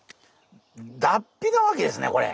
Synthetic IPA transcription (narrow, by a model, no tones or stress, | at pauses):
d̪apʲːiɡ̪aβake̞d̪e̞sɨneko̞ɾḛ